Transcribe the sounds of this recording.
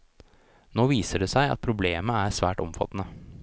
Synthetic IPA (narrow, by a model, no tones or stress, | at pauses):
noːʋiːsəɖeːsæɪɑ̰t̪̚pʰɾʊbleːməæɾsʋæːʈɔ̰mfɑ̰t̪nə